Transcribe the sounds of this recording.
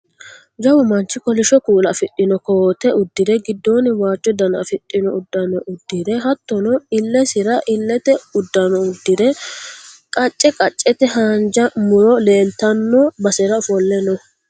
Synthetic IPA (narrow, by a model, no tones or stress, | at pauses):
d͡ʒɐwʊmɐnt͡ʃːɪkɔlɪʃɔkuːlɐfɪɗːɪnɔkoːt̪ɛʊd̪ːɪd̪ɛɡɪd̪ːo̞ːnɪwaːt͡ʃʼːɔd̪ɐnɐ̰fɪɗʼːɪnɔʊd̪ːɐnɔʔʊd̪ːɪd̪ɛɦɐt̪ːɔnɔɪlːɛsɪɾɐʔɪlːɛt̪ɛʊd̪ːɐnɔʊd̪ːɪd̪ɛ | kʼɐt͡ʃʼːɛkʼɐt͡ʃʼːɛt̪ɛɦaːnd͡ʒɐmʊɾɔle̞ːlt̪ɐnːɔbɐsɛɾɐfɔlːɛnɔ